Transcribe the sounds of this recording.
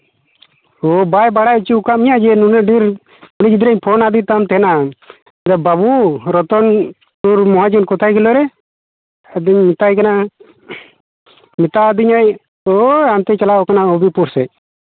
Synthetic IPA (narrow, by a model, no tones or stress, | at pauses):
obajbaɽajut͡ʃiukamijad͡ʒɛnunɛɖiɾ | unid͡ʒid̪ɾaɲpʰonad̪it̪amt̪ɛna | d̪ababuɾɔt̪ɔn | uɾmɔɦad͡ʒunkɔt̪ʰajkɛlɔɾɛ | d̪iɲmit̪ajkana | mit̪aːd̪iɲaj | oamt̪ɛt͡ʃalaɔkanaɔbipuɾsɛ